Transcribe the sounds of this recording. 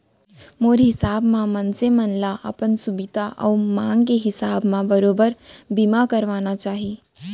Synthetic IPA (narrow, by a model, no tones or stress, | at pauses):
moːɾɦɪsaːbmãmənsẽmənlaʔɐ̰pənsʊbɪd̪ʱaʔɔ̰ːmãːŋɡkeɦɪsaːbmãbəɾoːbəɾbimakəɾʋaːnat͡ʃaːɦi